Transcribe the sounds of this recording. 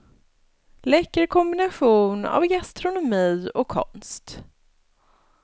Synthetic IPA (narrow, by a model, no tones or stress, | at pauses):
lɛkːəɾkʰɔmbɪnaɧuːna̰vɡast̪ɾʊnʊmiːɔkʰːɔ̰nst̪